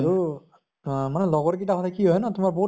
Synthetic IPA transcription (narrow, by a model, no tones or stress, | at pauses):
ɹu | manɛlɔɡɔɹk̬itakʰatʰakiɦɔjnatʊmaɹboɦu